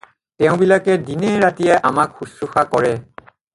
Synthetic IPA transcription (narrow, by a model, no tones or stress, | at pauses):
tɛʊ̃bilakɛdinɛɹatijɛʔamakxusuxakɔɹɛ